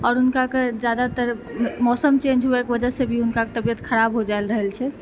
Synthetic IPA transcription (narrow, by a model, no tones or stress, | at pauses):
ɔːɾɦunkaked͡ʒad̪at̪əɾmɔsəmt͡ʃẽnd͡ʒɦuekbəd͡ʒəsebʱiɦunkaket̪əbijət̪kʰəɾabɦod͡ʒaelɾəɦəlt͡ʃʰɛ